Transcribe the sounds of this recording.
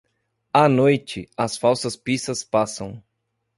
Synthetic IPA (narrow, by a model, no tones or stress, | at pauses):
ɐnojt͡ʃɪɐsfawsɐspist̪ɐspasɐ̃w̃